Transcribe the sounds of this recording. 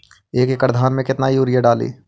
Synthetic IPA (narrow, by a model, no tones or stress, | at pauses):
eːkekəɾd̪ʱaːnmẽkɪt̪naɦiuːɾɪjaɖaːlḭː